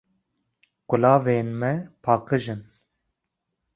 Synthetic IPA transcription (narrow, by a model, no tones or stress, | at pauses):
ɡ̥ʊlɑːveːnmɛpʰɑːqɨʒɨn